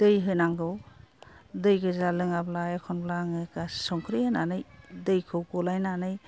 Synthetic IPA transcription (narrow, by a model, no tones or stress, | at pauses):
d̥ɯjɦɯnaŋɡɯw | dɯjɡɯzalɯŋablajekʰɔnblaŋɯkasɔŋkʰɾijananɯjdɯjkʰɯwkɔlajnanɯj